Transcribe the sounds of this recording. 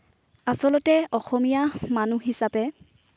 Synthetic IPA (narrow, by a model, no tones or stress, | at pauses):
asɔlɔtɛɔxɔmijamanuɦisapɛ